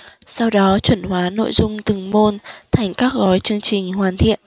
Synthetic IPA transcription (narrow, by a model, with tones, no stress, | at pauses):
sa˧wɗɔ˨˦t͡ɕwə˧˩nhwaː˨˦no̰˧˨jzʊ˧ŋ͡mt̪ɨ˨˩ŋmo˧nt̪ʰa˨˩jŋ̟kaː˦˥k̚ɣɔ˨˦jt͡ɕɨ˧əŋt͡ɕï˨˩ŋ̟hwaː˨˩nt̪ʰḭ˧˨ən